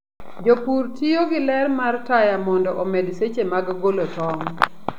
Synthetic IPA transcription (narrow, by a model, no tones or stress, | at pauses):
d͡ʒopurtijoɡɪlɛrmartajamɔndɔʔɔmedset͡ʃemaɡɡolotɔŋ